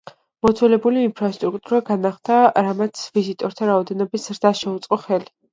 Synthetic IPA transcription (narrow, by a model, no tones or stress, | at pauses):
mɔt̪sʰwɛlɛbuliːnpʰɾast̪ʼɾuk̚ʼt̪ʼuɾaɡanaχd̪ʰaɾamat̪sʰvizit̪ʼɔɾt̪ʰaɾaɔd̪ɛnɔbisz̥ɾd̪aʃɛut̪sʼqʼɔχɛli